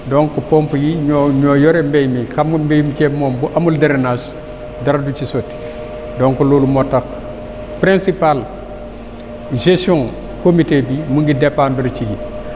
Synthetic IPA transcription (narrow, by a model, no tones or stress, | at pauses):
doŋkopompjiɲoɲoːjoɾembejmikammbejmt͡ʃemombuʔamuldaɾenas | daɾadut͡ʃisot | doŋkoloːlumotak | pɾẽnsipal | ʒesõŋ | komitebimuŋɡidepanbiɾt͡ʃiɡi